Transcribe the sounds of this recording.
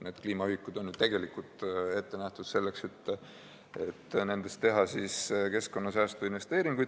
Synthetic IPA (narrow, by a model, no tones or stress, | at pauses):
ne̞ːd̪̥kliːmɑikːˑud̪̥o̞nːyd̪̥̚t̪e̞ɡe̞likːult̪e̞t̪ːe̞næht̪ud̪se̞lːe̞kse̞t̪ː | e̞t̪ːne̞nd̪̥est̪ːe̞ɦɑsiske̞sko̞nːɑsæːst̪uinve̞st̪e̞ːɾiŋɡ̥ujd̪̥